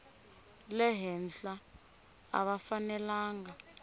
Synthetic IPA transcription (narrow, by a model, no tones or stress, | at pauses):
lɛɦɛnɬa | a̰ɓafanɛlaːŋa